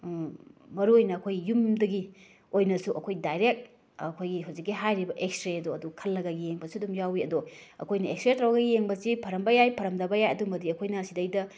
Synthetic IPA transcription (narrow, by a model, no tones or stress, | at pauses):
mɐɾuojnɐːkʰojɡijumdɐɡi | ojnɐsuʔɐkʰojdajɾek̚t̚ | kʰojɡiɦawzikːiɦajɾibɐʔekstɾeɐdoɐdukʰɐlːɐɡɐɡijeŋbɐsudumjawiɐdoɐ̰kʰojnɐekstɾetɾawɡɐɡijeŋbɐsipʰɐɾɐmbɐjajpʰɐɾɐmdɐbɐjajɐdumɐdiɐkʰojnɐsidɐjdɐ